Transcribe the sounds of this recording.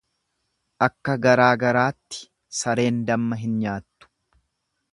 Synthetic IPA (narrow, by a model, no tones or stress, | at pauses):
ʔɐkːɐɡɐɾaːɡɐɾaːt̪ːɪ̥ | sɐɾe̞ːnd̪ɐmːɐɦɪnɲaːt̪ːʊ̥